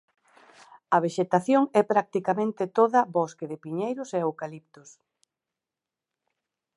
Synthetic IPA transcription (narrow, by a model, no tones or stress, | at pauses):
ɐβ̞eʃet̪aθjoŋɛpɾak̚t̪ikamẽnt̪ɪt̪oðɐbɔskeðɪpiɲejɾʊseewkalip̚t̪ʊs